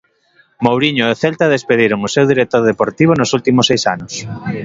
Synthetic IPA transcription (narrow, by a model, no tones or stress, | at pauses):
mowɾiɲoɛθelt̪aðespeðiɾomusewðiɾek̚t̪oɾðepoɾt̪iβ̞onosult̪imʊsejsanʊs